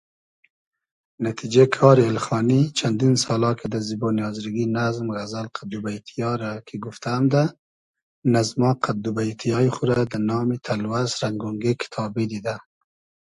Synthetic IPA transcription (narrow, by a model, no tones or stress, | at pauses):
nat̪ʰid͡ʒekʰɑːɾielxɑnit͡ʃʰand̪insɑːlɑkʰed̪azibɑnijɑːzɾiɡinazmɣazalqʰad̪ubajt̪ʰijɑɾakʰiɡuft̪ʰaːmd̪a | nazmɑqʰad̪ubajt̪ʰijɑiχuɾad̪anɑːmit̪ʰalwasɾaŋɡuŋɡekʰɪ̥t̪ʰɑbid̪id̪a